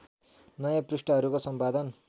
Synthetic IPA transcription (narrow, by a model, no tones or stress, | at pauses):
nʌjaprusʈʌɦʌɾukosʌmpad̪ʌn